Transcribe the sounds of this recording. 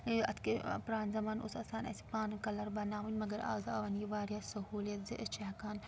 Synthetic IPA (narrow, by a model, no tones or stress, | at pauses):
ɐ̰t̪ʰkipɾaːnzɐmaːnʔʊ̰sɐːsaːnɐ̰si̥pãːnkɐlɐɾbɐnaːʋɐnʲmɐɡɐɾa̰ːzaːʋɐnjiʋaːɾjaːsɐɦuːljɐt̪zɨʔɪst͡ʃɐɦkaːn